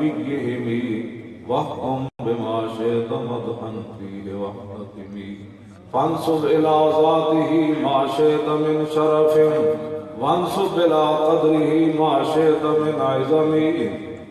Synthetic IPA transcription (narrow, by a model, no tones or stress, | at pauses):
iɡjeɦimiːʋɐht̪umbɪmaːʃeːt̪ɐmɐd̪ɦɐnt̪iːɦeʋɐhnɐt̪imiː | fɐnsubɪlaːzaːt̪iɦiːmaːʃeːt̪ɐmɪnʃɐɾɐfemʋɐnsʊbɪlaːqɐd̪ɾiɦimaːʃeːt̪ɐminaːjzɐmi